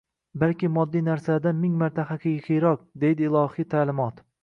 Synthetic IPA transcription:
balkʲɪmɒd̪ːijnaɾsad̪anmɪŋmaɾt̪ʰaχakʲʰaɡʲaqʲʰijɾɒq̚d̪e̞jd̪ɪɪlˠɒhit̪ʰaːlɪmɒt̪

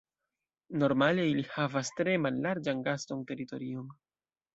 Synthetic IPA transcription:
no̞ɾmale̞ilihavastɾe̞malːaɾd͡ʒanɡasto̞nte̞ɾito̞̰ɾio̞n

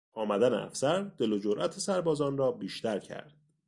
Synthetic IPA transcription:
ʔɒːmæd̪ænḛæ̰fsæɾd̪̥e̞lod͡ʒoɾʔæt̪ʰesæɾbɒːzɒːnrɒːbiːʃt̪æɾcʰæ̰ɾd̪̥

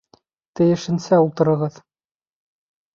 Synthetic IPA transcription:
t̪ɘ̆jɘ̆ʃɘ̆nsæulˠt̪ɤ̆ɾɤ̆ʁɤð

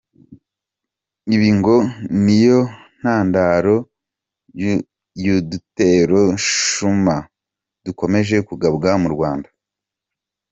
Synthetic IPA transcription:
iβiŋɡo̞nijo̞ | n̥aːndaɾo̞ | judute̞ɾo̞ʃuma | duko̞me̞ʒe̞kuɡabɡamuɾɡwaːnda

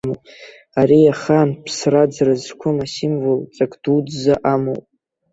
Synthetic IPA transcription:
mopʼ | aɾiaχanpʰsrad͡zrazkʷʰʊmasɪmvolt͡sʼakʼd̥ud͡zzaʔamo̰wpʼ

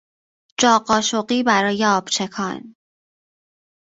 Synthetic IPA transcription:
d͡ʒɒːɢɒːʃoɢiːbæɾɒːjeɒːb̥t͡ʃʰe̞kʰɒn

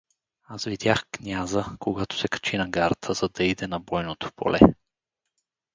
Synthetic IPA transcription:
asvid̪ʲjaxknʲazəkoɡat̪o̥sɛkɐ̥t͡ʃinɐɡaɾt̪ʰəz̥ɐd̪ɐid̪ɛnɐbɔjnot̪o̥pʰo̰lʔɛ̰

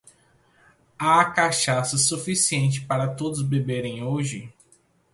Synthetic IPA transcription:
akaʃasɐsufisiẽnt͡ʃɪ̥paɾɐt̪od̪ʊzbebeɾẽj̃oʒɪ

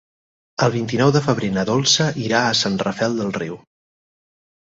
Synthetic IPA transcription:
əlˠβ̞int̪inɔwðəfəβ̞ɾenəðolˠsəʔiɾaəsanrəfɛlˠd̪əlˠriw

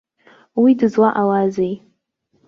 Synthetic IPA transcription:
widɨzwaʔawazej

